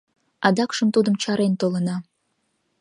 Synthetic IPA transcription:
ɑd̪ɑkʃəmt̪ud̪əmt͡ɕɑɾent̪olənɑ

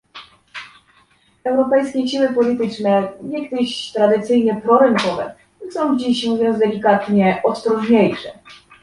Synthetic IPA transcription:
ɛwɾɔpɛjskʲɛɕiwɘpɔlʲit̪ɘt͡ʂnɛɲɛɡd̪ɘɕt̪ɾad̪ɘt̪sɘjɲɛpɾɔmɛnt̪ɔvɛ̰ | sɔ̃w̃d͡ʑiɕmuvʲjɔ̃ñzd̪ɛlʲikat̪ɲɛʔɔst̪ɾɔʐɲejʂɛ̰

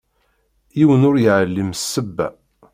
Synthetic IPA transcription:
jiwənʊɾjəʕəlːəmsːəbːæ̰

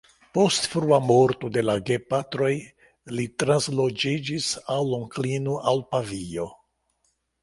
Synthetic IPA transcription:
po̞stfɾuamo̞ɾto̞de̞laɡe̞patɾo̞j | litɾanslo̞d͡ʒid͡ʒisawoŋklinoʔawpavijo̞

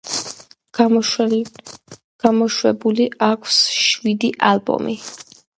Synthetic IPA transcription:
ɡ̥amɔʃwɛbuliʔakʰsʃwid̪iʔalˠbɔ̰mi

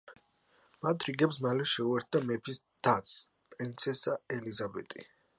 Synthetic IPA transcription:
mat̪ʰɾiɡɛpsmalɛʃɛuɛɾt̪̚ʰd̪amɛpʰisd̪̥at̪s | pʼɾint̪sʰɛsaɛlizabɛt̪ʼḭ

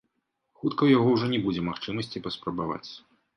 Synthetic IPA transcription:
xut̪kɐwjaɣɔwʐɔnʲɛbud͡zʲɛmaxt͡ʂɨmɐsʲt͡sʲipɐspɾɐbava̰t͡sʲ

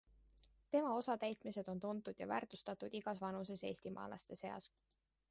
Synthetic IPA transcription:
t̪e̞mɑo̞sɑt̪æjt̪ˑmise̞d̪̥o̞nt̪ont̪ˑːud̪̥jɑ̰væːrt̪ust̪ɑt̪ːud̪̥iɡ̥ɑsvɑnuse̞se̞ːsʲt̪imʔɑ̰ːlʔɑ̰st̪e̞se̞ɑ̰s

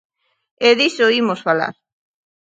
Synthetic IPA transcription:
eðisoimosfala̰ɾ

